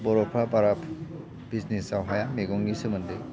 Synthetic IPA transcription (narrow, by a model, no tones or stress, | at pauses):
bɔɾɔpʰɾabaɾapʰ | b̥iznisawɦajameɡɔŋɡisɯmɯndɯj